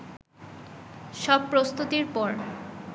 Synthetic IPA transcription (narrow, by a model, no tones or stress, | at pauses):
ʃɔb̚pɾost̪ut̪iɾpɔɾ